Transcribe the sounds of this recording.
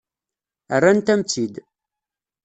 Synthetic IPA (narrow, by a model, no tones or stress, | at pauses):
ərːænt̪æmt͡sːid̪